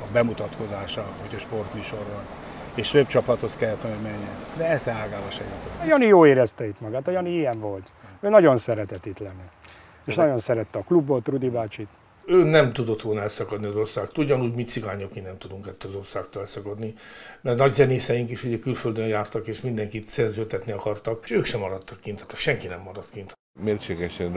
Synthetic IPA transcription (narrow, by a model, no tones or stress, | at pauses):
ɒbɛmut̪ɒt̪ko̞zaːʃɒhocʰɒʃpo̞rt̪myːʃo̞rvɒn | eːʃføpt͡ʃɒplɒt̪hoskɛlːɛt̪ʋonomɛɲːɛnd̪ɛɛsɛaːɡaːvɒʃɛjut̪ojɒnijoːeːɾɛst̪ɛit̪mɒɡaːt̪ɒjɒniijɛɱvo̞lt̪øːnɒɟo̞nsɛɾɛt̪ɛt̪it̪lɛnːɛ | eːʃnɒjo̞nsɛɾɛt̪ːɛɒklubːo̞t̪rud̪ibaːt͡ʃit̪ | øːnɛmt̪ud̪o̞t̪ʋo̞lnɒɛlsɒkɒd̪niɒzo̞rsaːkt̪uɟːɒnuɟmit̪siɡaːɲokminɛmt̪ud̪uŋkɛt̪ːøɒzo̞rsaːkt̪oːlɛlsɒkɒd̪nimɛrnɒɟzɛneːsɛjiŋkiʃuɟɛkylføld̪øjjaːrt̪ɒkeːʃmind̪ɛŋkit̪sɛrzøːt̪ɛt̪niɒkɒrt̪ɒkʃøːkʃɛmɒɾɒt̪ːɒkːint̪ʰɒ̥t̪ːɒkʃɛŋkinɛmːɒɾɒt̪kint̪ | meːrt͡ʃeːɡɛʃɛn